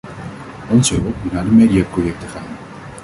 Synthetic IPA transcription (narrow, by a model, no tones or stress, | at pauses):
ɔnzəɦɵlˠpmutnaːɹdəmediaprojɛk̚təχaːn